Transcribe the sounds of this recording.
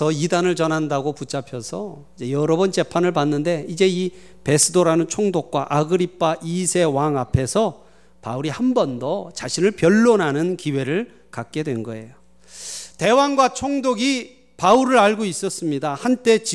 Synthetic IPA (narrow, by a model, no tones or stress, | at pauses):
tʌidanɯɭt͡ɕʌnɦandaɡoput͡ɕ͈apʰjʌsʰʌid͡ʑe̞jʌɾʌbʌnt͡ɕe̞pʰanɯɭpanːɯnde̞id͡ʑe̞i | pe̞sʰɯdoɾanɯnt͡ɕʰoŋdok̚k͈waʔaɡɯɾip͈ʰːaʔisʰe̞waŋapʰe̞sʰʌ | pa̰uɾihambʌndʌt͡ɕaɕʰinɯɭpjʌɭːonɦanɯnkiwe̞ɾɯɭ | kak̚k͈e̞dwe̞nɡʌe̞̰jo | te̞waŋɡwat͡ɕʰoŋdoɡi | pauɾɯɾaɭɡois͈ʌs͈ɯmɲidahant͈e̞t͡ɕ